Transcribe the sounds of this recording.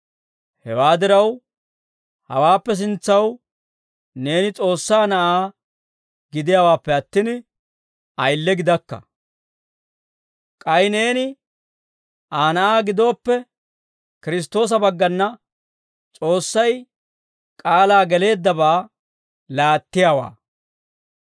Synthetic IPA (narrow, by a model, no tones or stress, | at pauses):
hɛ̰waːd̪ɪɾɐw | hɐ̰waːpːɛs̬ɪnt͡sːɐw | ne̞ːnɪt͡sʼo̞ːsːaːnɐʔaː | ɡɪd̪ɪjawaːpːɛɐt̪ːɪn | ɐjlːɛɡɪd̪ɐkːɐ̰ | kʼɐjne̞ːnɪ | aːnɐʔaːɡɪd̪o̞ːpːɛ | kɪɾɪs̬t̪o̞ːs̬ɐbɐɡːɐnːɐ | t͡sʼo̞ːsːɐj | kʼaːlaːɡɛle̞ːd̪ːɐbaː | laːt̪ːɪjaːwa̰ː